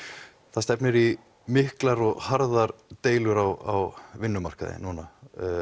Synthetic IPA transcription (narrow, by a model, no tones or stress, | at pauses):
θaðst̪ɛpnɪɾi | mɪhklaɾɔɣhaɾðaɾt̪eːjlʏɾawa̰wvɪnːʏmar̥kaðɪ̰nuːna